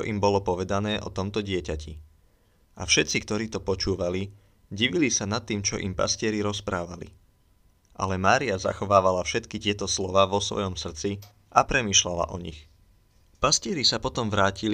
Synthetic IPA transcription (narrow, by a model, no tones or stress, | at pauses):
ɔ̰ʔimbɔlɔpɔʋɛd̪anɛːʔɔ̰t̪ɔmt̪ɔɟɪɛcacḭ | ʔa̰fʃɛt̪t͡sik̚t̪ɔɾiːt̪ɔpɔt͡ʃuːʋali | ɟiʋilisanat̪ːiːmt͡ʃɔ̰ʔḭmpa̰scɪɛɾiɾɔspɾaːʋalḭ | ʔa̰lɛmaːɾiaza̰xɔʋaːʋalafʃɛt̪kic̪ɪɛt̪ɔslɔʋaːʋɔsʋɔ̰jɔmsr̩t͡si | ʔapɾɛmiːʃlala̰ʔɔɲḭx | pascɪɛɾisapɔt̪ɔmʋɾaːcili